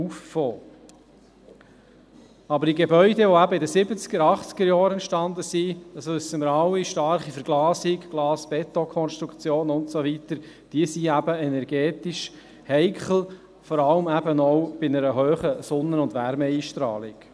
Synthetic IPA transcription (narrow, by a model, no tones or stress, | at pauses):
uffoː | ɑbəɾdiɡebœʏdɛʋoæbəɪdəsɪbət͡sɡ̥əɾɑχt͡sɡ̥əɾjɑːɾɛnt̪ʃtɑndəsid̥ɑsøsəməɾɑwiʃtɑɾχifəɾɡ̥lɑːsɪkɡ̥lɑːsb̥ɛt̪ɔkʰɔnʃtɾukt͡sjoːnʊntsovit̪əɾ | d̥iəsiæb̥əɛnɛɾɡɛːt̪ɪʃ | hɛɪkχl̩ | fɔɾɑləmæbənɔʊb̥ɪnəɾəɦøːχəsʊnːəʊndʋæɾmɛiːʃtɾɑ̰ːlɪk